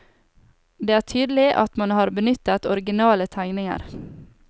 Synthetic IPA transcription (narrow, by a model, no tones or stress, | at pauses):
d̪eːæːʈʰyːd̪l̩ɪʔɑ̰t̪mɑnhɑːɾbənʏt̪ət̪ɔɾɡɪnɑːlət̪ʰæɪnɪŋə̰ɾ